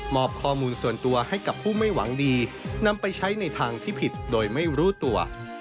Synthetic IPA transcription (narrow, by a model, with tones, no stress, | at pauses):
mɔː˨˩p̚kʰɔː˧muː˧nsu˨˩ənt̪u˧ɐha˥˩jka˨˩pʰːuː˥˩ma˥˩jwa̰˩˦ŋdiː˧na˧mpa˧jt͡ɕʰa˦˥jna˧jt̪ʰaː˧ŋt̪ʰiː˥˩pʰi˨˩t̪̚doː˧jma˥˩jɾuː˦˥t̪u˧ɐ